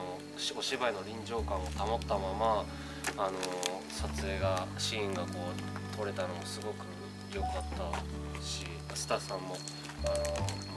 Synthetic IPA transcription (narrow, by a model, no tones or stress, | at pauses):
o | o̞ɕibaino̞ɾʲĩɲd͡ʑo̞ːkãŋ̃ot̪amot̪ːamamaː | no̞ | sat͡sɨe̞ːɡaɕĩːŋɡako̞ːt̪ʰo̞ɾe̞t̪ano̞mo̞sɨɡo̞kɯ̟ | jo̞kat̪ːaɕi | asɨ̥t̪asãmːo̞ | ano